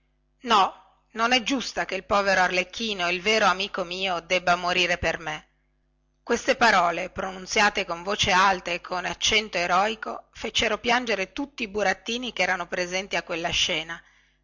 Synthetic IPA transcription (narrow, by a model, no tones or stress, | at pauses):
nɔ | nonɛd͡ʒːust̪akeilpɔːveɾoarlekʰːiːnoeilveːɾoamiːkomiːod̪ɛbːamoɾiːɾeperme | kwest̪epaɾɔːlepɾonunt̪sjaːt̪ekoɱvoːt͡ʃealt̪aekʰːonat͡ʃːɛnt̪oeɾɔːiko̰fet͡ʃeɾopjand͡ʒeɾet̪ut̪ːiːbuɾat̪ːiːnikɛːɾanopɾezɛnt̪iakːwelːaʃɛːna